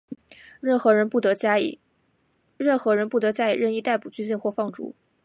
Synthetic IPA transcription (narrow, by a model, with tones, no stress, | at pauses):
ɻə˥˩nxɤ˧˥ɻə˧˥npu˥˩t̪ɤ˧˥t͡ɕ | ɻə˥˩nxɤ˧˥ɻə˧˥npu˥˩t̪ɤ˧˥t͡ɕja˥ḭ˨˩ɻə˥˧ni˥˧t̪a˥˩ɪpu˨˩t͡ɕy˥nɕ̬i˥˧nxwɔ˥˧fɑ˥˩ŋʈ͡ʂṵ˧˥